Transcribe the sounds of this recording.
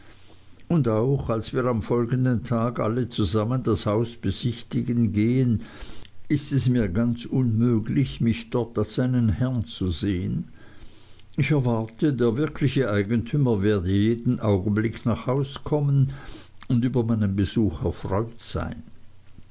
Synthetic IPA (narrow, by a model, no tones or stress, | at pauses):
ʊndaʊxalsv̥iːɐʁamfɔlɡəndəntʰaːɡʔa̰lət͡suzaməndashaʊsb̥əzɪçtɪɡənɡeːən | ʔɪstɛsmiːɐɡant͡sʔʊnmøːɡlɪçmɪçd̥ɔɐtalsz̥aɪnənhɛɐnt͡suzeːən | ɪçɛɐvaʁtʰədeːɐvɪɐkʰlɪçəʔaɪɡən̩tʰyːmɐveːɐdəjeːdn̩ʔaʊɡn̩blɪkʰnaːχhaʊskʰɔmənʊndyːbɐmaɪnənbəzuːxɛɐfʁɔʏtz̥a̰ɪn